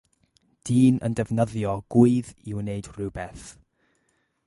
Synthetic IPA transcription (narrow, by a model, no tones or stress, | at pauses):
d̥iːnʔə̰ndɛvnəðjɔɡ̥uɨðiwneɨdrɨwbɛθ